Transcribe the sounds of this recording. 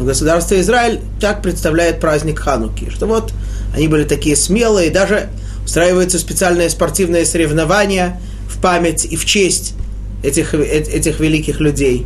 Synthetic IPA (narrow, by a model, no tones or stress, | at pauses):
vɡəsʊd̪arst̪vʲɪɪzɾaɪlʲ | t̪ak̚pɾʲɪt̪st̪ɐvlʲæjɪt̪̚pɾazʲnʲɪkxanʊkʲɪ̰ʂt̪ovo̞t̪ | ɐnʲibɨlʲɪt̪ɐkʲijəsmʲe̞lˠɨɪd̪aʐɨ | ʊst̪ɾajɪvəjʊt̪səsʲpʲɪt̪sɨalʲnəjəspɐrtʲivnɨjəsəɾʲɪvnɐvanʲɪjə | fpamʲɪtʲift͡ɕesʲtʲ | ɛtʲɪxɛɛtʲɪxvʲɪlʲikʲɪxlʲʊdʲej